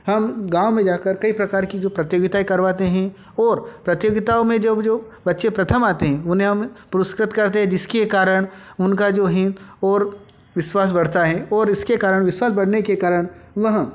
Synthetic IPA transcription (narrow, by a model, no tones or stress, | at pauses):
hɐmɡãːʊmẽd͡ʒaːkəɾkɐipɾɐkaːɾkid͡ʒoːpɾɐt̪joːɡɪt̪aekɐɾʋaːt̪eɦɛ̃ | ɔːɾpɾɐt̪joːɡɪt̪aõmẽd͡ʒɐbd͡ʒoː | bɐtːʃepɾɐt̪ʰəmaːt̪eɦɛ̃ʊnɦẽɦɐmpʊɾʊskɾɪt̪kɐɾt̪eɦɛ̃d͡ʒɪskekaːɾəɽ̃ʊnkad͡ʒoːɦɛ̃ɔːɾ | ʋɪʃwaːs̬bɐɽ̤t̪aɦɛ̃ɔːɾɪskekaːɾəɽ̃ʋɪʃwaːsbɐɽ̤nekekaːɾəɽ̃ʋɐɦ